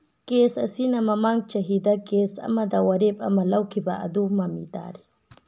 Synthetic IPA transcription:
kesasinamamaŋɡ̚t͡ʃaɦid̪akesa̰mad̪awaɾeba̰malawkibaʔa̰d̪umamḭd̪a̰ːɾi

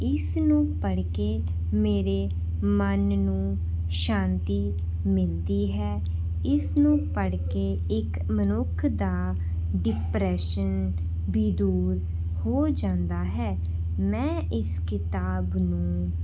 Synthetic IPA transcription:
ɪsnũːpəɽkeː | meːɾeː | mənnũː | ʃãːnt̪iː | mɪld̪iːɦɛː | ɪsnũːpəɽkeː | ɪk | mənʊkʰd̪aː | ɖɪpɾɛːʃən | bid̪uːɾ | hoːd͡ʒãːnd̪aːɦɛː | mɛ̃ːʔɪskɪt̪aːbnũː

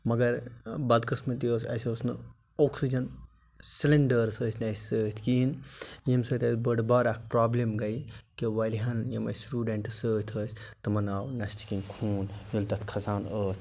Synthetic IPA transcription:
mɐɡɐɾbɐd̪kɨsmɐt̪ijoːsɐ̰sʲesnɨ | oːksid͡ʒɐn | sileɳɖəɾsəːsʰʲnɐsʲsəːt̪ʰkiːnjimsəːt̪ʲɐsbəɖbaːɾɐkʰpɾaːblemɡɐikeʋɐlʲiɦɐnjimɐ̰sʈuːɖeɳʈsəːt̪ʰəːsʲ | t̪ɨmɐnaːwnɐst̪ʰi̥kinkʰuːnjult̪ɐt̪kʰɐzaːnəːs

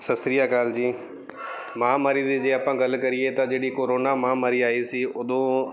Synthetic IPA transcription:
sɐsɾijakaːld͡ʑiː | mãːmaːɾid̪id͡ʑeːɐpãɡɐlkɐɾiet̪ɐd͡ʑeːɗikoːɾoːnamãmaːɾiaːisiʊd̪ʱõ

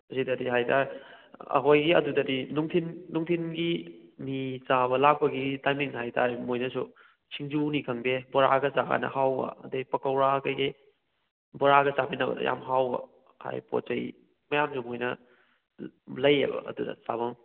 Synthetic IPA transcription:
zidɐdiɦajtʰaɾɐ̰kʰojɡiɐ̰dudɐdinuŋtʰinːuŋtʰinɡimit͡ʃabɐlak̚pɐɡitajmiŋɦajtʰaɾmojnɐsu | t͡ʃʰiŋd͡ʒunikʰɐŋdebɔɾa̰ɡɐzaka̰nɐ̰hawbɐ̰ɐ̰dejpɐkɐwɾakajɡi | bɔɾaɡɐt͡ʃapinɐbɐ̰dɐ̰ja̰mɦawbɐ̰ | ha̰jpo̰t͡ʃɐj | mɐjamsumojnɐ | lɐjḛbɐ̰ɐ̰dudɐ̰sa̰bɐm

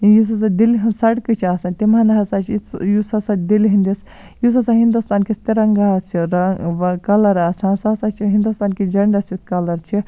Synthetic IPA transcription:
jus̬ɐs̬ad̪ilɦinsɐɽkɨt͡ʃʰiaːsãnt̪imɐnɐɦɐsat͡ʃʰit͡sjusɐsad̪ilɦind̪ʲis | jus̬ɐsaɦind̪ust̪aːnkist̪iɾɐŋɡaɐsiɾɐʋɐkɐlɐɾaːsãsasat͡ʃʰiɦind̪ust̪aːnkid͡ʒɐɳɖɐsʲikɐlɐɾt͡ʃʰi

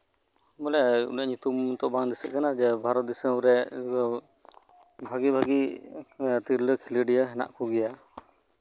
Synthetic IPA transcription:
mɔlɛṵniaʔɲut̪umt̪ɔbaŋd̪isəʔ̪̚kanad͡ʒɛbʱaɾɔt̪̚d̪isəɾɛ | bʱaɡibʱaɡi | t̪iɾləkʰiləɖijəɦɛna̰ʔkʰuɡɛja

